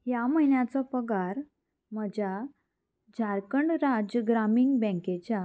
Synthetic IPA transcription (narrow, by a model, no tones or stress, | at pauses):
ɦjaməjnjat͡sɔpəɡaɾ | məd͡ʑa | d͡ʑʱaɾkəɳɖɾad͡ʑəɡɾamiŋɡbɛ̃ŋket͡ɕa